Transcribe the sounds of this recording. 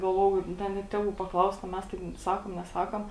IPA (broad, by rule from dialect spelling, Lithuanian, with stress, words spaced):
ɡɐlˠˈʋoːjɛʊ ˈdɐ ˈnʲɛt tʲeːˈʋuː pɐˈklˠɐʊst ɐ ˈmʲɛs ˈtɐɪp ˈsɑːkoːm nʲɛˈsɑːkoːm